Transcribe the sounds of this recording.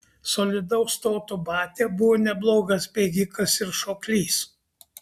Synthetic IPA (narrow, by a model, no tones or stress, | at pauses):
soːlʲɪd̪ɐʊst̪oːt̪ubɑːt̪ʲeːbʊʋoːnʲɛblˠoːɡɐsbʲeːɡʲɪkɐsɪɾʃoːklʲiːs